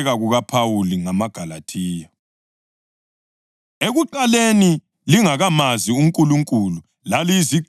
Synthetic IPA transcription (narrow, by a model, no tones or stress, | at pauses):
ɣaɣuɣapʰawuliŋamaɡ̥ʱalatʰiːja | eɣuǃaleni | liŋaɣamaziuŋkʼuluŋkʼulu | lalizi